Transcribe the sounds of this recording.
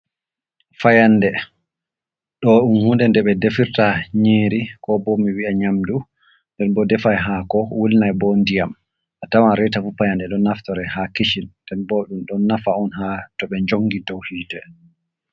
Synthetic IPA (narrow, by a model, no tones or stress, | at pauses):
fajandɛ | ɗɔɗunhundɛndɛɓɛdefiɾtaɲeːɾikɔbɔmːiwiaɲamdu | ndɛnbɔdɛfajɦakɔwulnajbɔndijam | ʔatawanɾɛtafufajandɛɗɔnːaftɔɾɛhakiʃinndɛnbɔɗumɗɔnːafaɔnɦatɔɓɛɲd͡ʒoŋɡidɔwhiːdɛ